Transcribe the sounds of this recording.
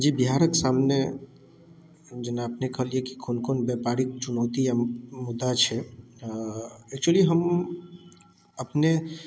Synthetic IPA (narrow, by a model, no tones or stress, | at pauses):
d͡ʒibiɦaɾək̪samne | d͡ʒenaəpnekəɦəlieki̥kʰonkonbɛpaɾik̚t͡ʃunɔːt̪ijamud̪ːat͡ʃʰɛ | ɛk̚t͡ʃuəliɦəm | əpne